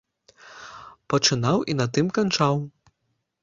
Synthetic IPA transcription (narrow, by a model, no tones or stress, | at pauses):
pɐt͡ʂɨnawʔinɐt̪ɨmkant͡ʂaw